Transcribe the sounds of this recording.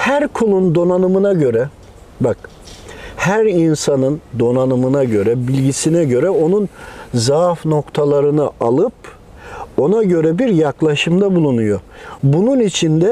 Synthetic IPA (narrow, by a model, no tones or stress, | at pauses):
hæɾkʰulˠund̪o̞nanɯmɯnaɟø̞ɾɛ | bak | hæɾinsanɯnd̪o̞nanɯmɯnaɟø̞ɾɛbilʲɟisinɛɟø̞ɾɛo̞nunzafno̞kt̪ʰalˠaɾɯnɯʔalˠɯp̚ | o̞naɟø̞ɾɛbiɾjaklˠaʃɯmd̪abulˠunujobununit͡ʃʰind̪ɛ